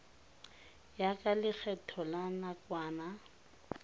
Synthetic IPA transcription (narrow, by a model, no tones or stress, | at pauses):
jakʼalɪk͡xʰɛtʰɔlanakwaːna